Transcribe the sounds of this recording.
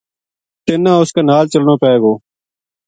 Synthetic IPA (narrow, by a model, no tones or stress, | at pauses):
t̪ɪnãːʊskaːnaːlt͡ʃəlɳõːpɛːɡoː